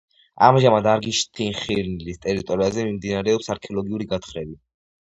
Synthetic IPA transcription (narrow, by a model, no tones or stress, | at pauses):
a̰mʒamad̪aɾɡiʃt̪ʰiχiɾnlist̪ʼɛɾit̪ʼɔɾiazɛmimd̪inaɾɛɔpsaɾkʰɛɔlˠɔɡiuɾiɡat̪χɾɛbi